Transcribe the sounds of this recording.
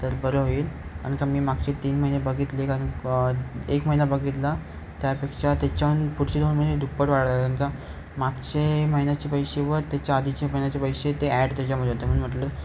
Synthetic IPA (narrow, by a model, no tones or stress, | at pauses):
t̪əɾbəɾəɦoiːla̰ɽ̃kamiːmaɡ̚t͡ɕet̪iːnməɦinebəɡit̪lekaɾən | ekməɦinabəɡit̪la | t̪japekʂat̪at͡ɕjaʋənpuɽt͡ɕed̪onməed̪ʱupəʈʋaɽəlaənka | maɡt͡ɕeməɦinat͡ɕepəjɕeʋəɾt̪jat͡ɕjaːd̪ʱit͡ɕeməɦinat͡ɕepəjɕet̪eæɖt̪at͡ɕjam̤əd̪ʱeɦot̪em̤əɳm̤əʈlə